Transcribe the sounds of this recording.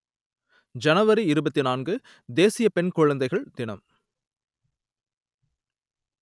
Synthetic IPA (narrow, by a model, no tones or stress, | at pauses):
d͡ʒɐnɐʋɐɾiɪɾɯbɐt̪ːinaːnɡɯ | d̪eːsɪjɐpɛnkʊɻɐnd̪ɐɪɣɐɭd̪ɪnɐm